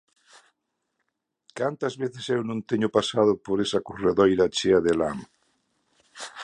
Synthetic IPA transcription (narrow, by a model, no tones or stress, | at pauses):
kant̪ɐzβeθɪsewnõnt̪eɲʊpasaðʊpoɾesɐkoreðɔjɾat͡ʃeaðelam